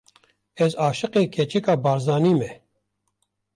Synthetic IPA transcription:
ɛzaːʃɨqeːkʰɛt͡ʃɛkaːbaːɾzaːniːmɛ

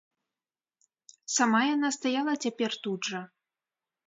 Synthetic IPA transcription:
samajanast̪ajalˠɐt͡sʲapʲɛrt̪udʐɐ

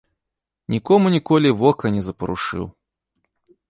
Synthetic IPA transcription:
nʲikɔmunʲikɔlʲivɔkɐnʲɛzɐpɐɾṵʂɨ̰w

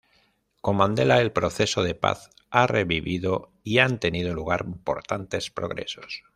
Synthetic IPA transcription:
ko̞mãnd̪e̞laelpɾo̞θe̞so̞ð̞e̞pa̰θ | areβiβiðo̞ | iant̪e̞nið̞oluɣ̞aɾimpo̞̰ɾt̪ant̪e̞spɾo̞ɣɾe̞̰sos

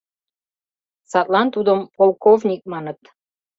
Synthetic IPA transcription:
sɑt̪lˠɑnt̪ud̪əmpolˠkovnʲik̚mɑnət̪

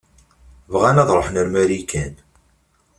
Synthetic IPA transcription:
vʁænæðˤɾˤoħnəɾmæɾikʰæn

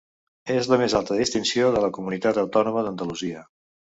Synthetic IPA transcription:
ezləmezalˠt̪əðist̪insioðələkumunit̪at̪əwt̪ɔnuməðənd̪əluziə

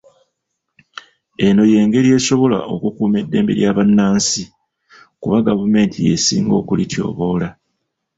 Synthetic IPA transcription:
e̞no̞je̞ːŋɡe̞ɾie̞ːso̞βo̞la̰ʔo̞kukuːme̞dːe̞ːmbe̞̰ɾjaβanːaːnsi | kuβaɡavume̞ːntʰije̞̰sḭːŋɡo̞̰ːkulitʰjo̞̰ːβo̞la

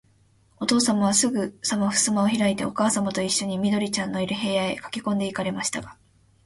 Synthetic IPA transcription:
o̞t̪o̞ːsamaβ̞asɨɡɯ̟samaɸɯ̟̥sɨmaoçiɾait̪e̞̰o̞kaːsamat̪o̞iɕːo̞ɲ̟imʲid̪o̞ɾʲit͡ɕãnːo̞iɾɯ̟ɦe̞ːaekḁkʲi̥kõ̞nd̪e̞ikaɾe̞maɕi̥t̪aɡ̥a

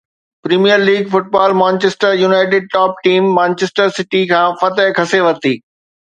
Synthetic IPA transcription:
pɾiːmijəɾliːɡfʊʈ̚baːlmãːnt͡ɕeːsʈəɾjuːnaːɪʈ̬ɪɖ̚ʈɔːp̚ʈiːmːãːnt͡ɕesʈəɾsɪʈikʰãːfɐt̪əɦkʰɐseʋɐt̪iː

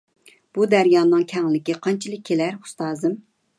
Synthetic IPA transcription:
b̥ud̪æɾjɑːnɨŋkʲʰɛŋlɪkʲiqʰɑnt͡ʃʰilˠɨk̚ʲʰːelæɾu̥st̪ɑːzɨm

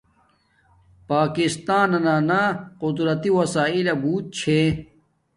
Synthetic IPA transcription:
paːkist̪aːnɐnaːnaqʊd̪ɾɐt̪iwɐsaːilɐbuːt̪̚t͡ɕʰe

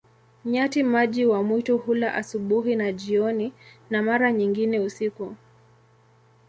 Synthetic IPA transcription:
ɲatimaʄiwamwituhulaʔasuɓuɦinaʄiɔninamaɾaɲiŋɡinɛusiku

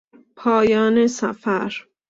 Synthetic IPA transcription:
pʰɒːjɒːnesæfæɾ

